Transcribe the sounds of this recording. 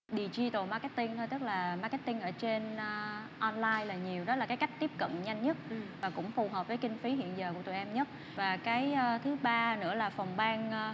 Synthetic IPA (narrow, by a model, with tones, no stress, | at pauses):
ɗi˨˩t͡ɕi˧t̪o˨˩maː˧kɛ˦˥t̪̚i˧ŋt̪ʰo˧jt̪ɨ˦˥k̚laː˨˩maː˧kɛ˦˥t̪i˧ŋʔəː˧˩t͡ɕe˧n˧ʔɔ˧nlaː˧jlaː˨˩ɲi˨˩əwɗɔ˨˦laː˨˩kaː˨˦jka˦˥jk̚t̪i˦˥p̚kə̰˧˨nɲa˧jŋ̟ːə˦˥t̚vaː˨˩kʊ̰˧˥ŋ͡mfu˨˩ɦəː˨˩p̚vəː˨˦jki˧ŋ̟fi˨˦ɦḭ˧˨ənzəː˨˩ku˧˩ət̪ṵ˧˨˩ʔɛ˧mɲə˦˥t̚ | vaː˨˩kaː˨˦jːt̪ʰɨ˨˦ɓaː˧nɨ̰˧˥əlaː˨˩fɔ˨˩wŋ͡mɓaː˧ŋ˧